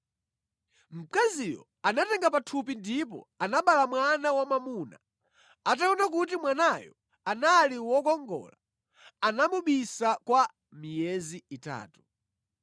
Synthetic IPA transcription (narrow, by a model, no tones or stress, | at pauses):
m̩kazijɔ̰ | anatɛŋɡapatʰup̬indip̬ɔ̰anaɓalamwanawamamuna̰ | at̬aɔnak̬utimwanajɔ | analiwɔkɔŋɡɔ̰ːla | anamuɓisakwa | mijɛziita̰ːtu̥